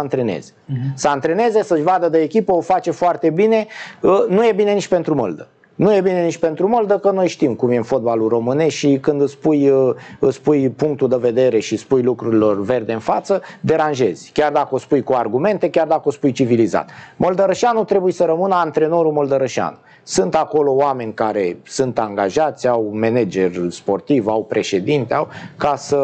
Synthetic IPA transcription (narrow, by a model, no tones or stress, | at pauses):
ant̪ɾe̞nḛz̥esəant̪ɾe̞ne̞ze̞səʃʲvad̪əd̪əekʲipəofat͡ʃe̞foart̪e̞bine̞ənuje̞bine̞nit͡ʃʲpe̞nt̪ɾumə̰ld̪ə | nuje̞bine̞nit͡ʃʲpe̞nt̪ɾuməld̪əkəno̞jʃt̪imkumje̞ɨnfo̞t̪̚baluro̞mɨne̞sʃikɨnd̪ɨspujəɨspujpuŋk̚t̪uld̪eve̞d̪e̞ɾe̞ʃispujlukɾuɾilo̞rve̞rd̪e̞ɨnfat̪səd̪e̞ɾanʒe̞zʲkʲard̪akəospujkuarɡume̞nt̪e̞kʲard̪akəospujt͡ʃiviliza̰t̪mold̪əɾəʃanut̪ɾe̞bujesəɾəmɨnəant̪ɾe̞no̞ɾumold̪əɾəʃia̰nu | sɨnt̪ako̞lo̞oame̞nʲkaɾe̞sunt̪aŋɡaʒat̪sʲawme̞ned͡ʒe̞rspo̞rt̪ivawpɾʔe̞ʃe̞d̪int̪eawkasə